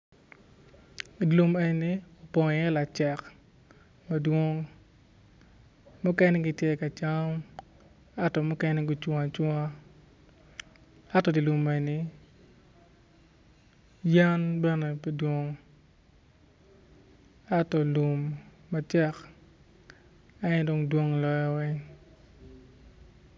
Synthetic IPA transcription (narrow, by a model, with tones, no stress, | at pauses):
dlu˨me˨nni˦ɔ˨pɔ˨ŋ˨jɛ˦la˨t͡ʃɛ˨k | ma˨dwɔ˦ŋ | mʊ˦kɛ˦nɛ˦ɡɪ˨tjɛ˦ka˨t͡ʃa˦m | a˦tɔ˨mʊ˦kɛ˦nɛ˦ɡʊ˦t͡ʃwa˨t͡ʃwɔ˦a˦ | a˦tɔ˦di˨lu˨me˨ni˨ | ja˦nbɛ˦nɛ˨pdwo˦ŋ | a˦tɔ˨lu˨mː | a˨t͡ʃɛ˦k | a˦n˦do˨˦ŋdwo˦ŋlɔ˦jɔ˦wɛ˦